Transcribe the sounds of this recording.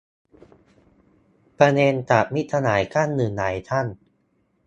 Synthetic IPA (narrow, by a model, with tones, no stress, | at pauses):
pɾa˧neː˧nt͡ɕ̪a˨˩t̚mi˦˥t̪ʰːa˧naː˩˦jkʰa˥˩nːɯː˨˩nːaː˩˦jt̪ʰa˥˩n